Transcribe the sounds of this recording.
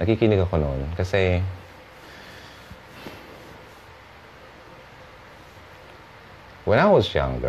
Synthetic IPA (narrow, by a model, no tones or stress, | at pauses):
nʔɐkikɪnɪɡɐkononkɐsɛ | wɛ̃naɪwɐzjã̰ŋɡə̰